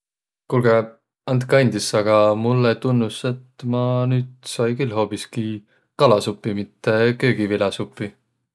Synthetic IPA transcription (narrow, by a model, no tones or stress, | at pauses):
kulɡe | ɑnt̪kɑnʲd̪isɑɡ̥ɑmulːet̪unːuse̞t̪mɑnyːd̪sɑjkylɦo̞ːpiski | kɑlɑsupːimit̪ˑːe̞køːɡ̥ivilɑsupːi